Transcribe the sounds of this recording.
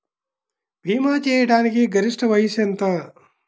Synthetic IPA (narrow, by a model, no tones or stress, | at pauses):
bʱiːmaːt͡ʃɛːjɐʈaːnikiɡɐɾiʂʈɐʋɐjisɐnt̪ɐ